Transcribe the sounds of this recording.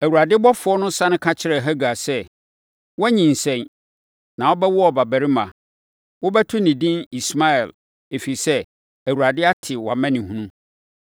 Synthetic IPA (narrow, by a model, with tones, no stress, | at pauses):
æ˨wu˨ɾa˨dɪ˦bɔ˦fʊ˨˦ɔ˦nʊ̃˦sã˦nʊ̃˦kʰã˦t͡ɕʰɪ˦ɾɛ˨ɦæ˦ɡa˨sɛ˦ | wɛ˦ɲĩ˨n̩˨sɛ̃˨n | nã˨wɔ˦bɛ˦wʊ˦ɔ˨ba˨bæ˨ɾi˦mã̰˨ | wʊ˦bɛ˦tʰʊ˦nĩ˨dĩ˦ni˨sma˦ɛ˨l | e˨fi˨i˨sɛ˦ | æ˨wu˨ɾa˨dɪ˦a˦tʰɪ˨wa˨mɛ̃˦nɪ̃˨ɦũ˦nũ˦